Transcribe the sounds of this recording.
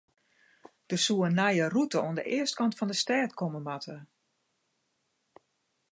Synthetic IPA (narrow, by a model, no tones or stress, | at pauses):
d̥əsuənajərutəoəndə̰ʔɪəst̚kɑntfɑndəstɛːtkɔməmatʰə